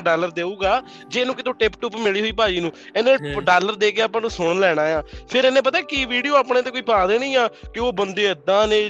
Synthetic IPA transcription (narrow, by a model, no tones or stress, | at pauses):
ɖaːləɾd̪eːuːɡaː | d͡ʒeːnũːkɪt̪õːʈɪpʈʊpmɪliːɦoːiːpaːiːnũː | ɛːnẽːɖaːləɾd̪eːkeaːpãːnũːsʊɽlɛːɽ̃ãːjãːpʰɪɾɛːnẽːp̬ət̪aːkɪʋiːɖijoːaːpɽẽːt̪̬eːkoːiːpaːd̪eːnĩːaːkɪoːbənd̪eːəd̪ãːneː